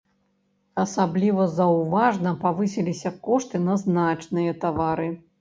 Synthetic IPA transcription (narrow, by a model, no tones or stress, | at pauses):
ɐsablʲivɐzɐwvaʐnɐpavɨsʲilʲisʲɐkɔʂt̪ɨnɐznat͡ʂnɨjɐt̪avaɾɨ